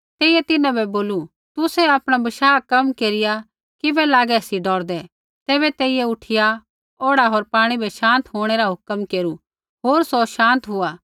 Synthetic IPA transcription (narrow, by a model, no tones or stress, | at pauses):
t̪eːijɛt̪ɪnãbɛboːlu | t̪ʊsɛaːpɽ̃abɐʃaːkɐmkeːɾɪja | kɪbɛlaːɡɛsiɖɔːɾd̪ɛ | t̪ɛːβɛt̪eːɪiɛʊʈʰɪja | oːɽaɦoːɾpaːɽ̃ibʱɛʃãːnt̪ɦoːɽ̃ɛɾaɦʊkəmkeːɾu | ɦoːɾsoʃãːnt̪ɦʊaː